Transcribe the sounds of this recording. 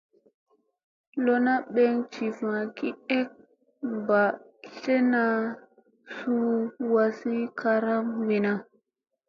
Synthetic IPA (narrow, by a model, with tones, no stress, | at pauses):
lo˦na˦ɓe˦ŋt͡ʃi˨vã˨ki˦e˦k̚ | mba˨ | ɬe˦na˨ | su˦wa˦si˦kʰa˦ɾa˦mwi˨na˦